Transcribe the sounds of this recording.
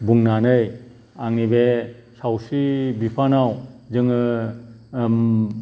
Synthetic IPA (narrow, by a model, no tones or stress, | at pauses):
buŋnanɯj | aŋnibe | sawsibipʰanawzɯŋɯ | m